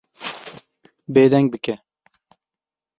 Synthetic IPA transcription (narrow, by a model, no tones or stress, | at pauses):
beːd̪ɛŋɡ̚bɨkɛ